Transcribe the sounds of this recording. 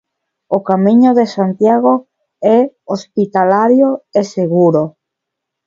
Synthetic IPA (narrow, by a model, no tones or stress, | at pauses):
okamiɲʊðesant̪jaɣ̞o | ɛospit̪alaɾjoeseɣuɾo